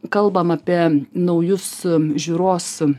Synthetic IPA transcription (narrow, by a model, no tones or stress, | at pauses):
kɐlˠbɐmɑpʲiɛnɐʊjʊsʒʲuːɾoːs